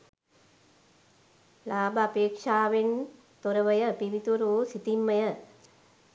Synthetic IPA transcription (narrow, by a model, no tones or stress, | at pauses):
laːbɐːpeːkʂaːʋen | t̪oɾɐʋɐjəpiʋit̪uɾoːsit̪imːɐjə